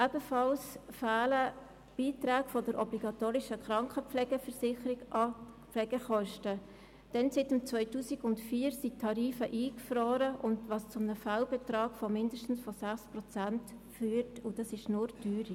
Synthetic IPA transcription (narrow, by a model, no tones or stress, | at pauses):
ʔɛb̥əfɑlsfaːlə | b̥iːtɾaːɡfɔdəɾʔɔbliɡɑtoːɾɪʃəkɾɑŋkχəpflɛɡəfəɾsɪχəɾɪ | plɛɡ̥əχɔʃtə | d̥ɛnsɪtəmt͡sʋœʏtuːsɪɡʊntfiːɾsitʰːɑɾiːfəʔiːkfroːɾəʔʊndʋɑst͡sʊmnəfalbɛtɾɑːɡ̥fɔmɪndəʃtn̩sfɔsæχsprɔt͡sæntfyːɾtʊd̥ɑsɪʃnʊɾdyːɾi